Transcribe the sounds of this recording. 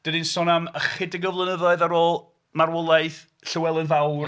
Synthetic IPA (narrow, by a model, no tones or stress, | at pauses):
d̥ədinsɔnaməχɪdəɡəvlˠənəðɔɨðaɾoːlˠ | marwɔlˠajθ | ɬɪwɛlˠənvaw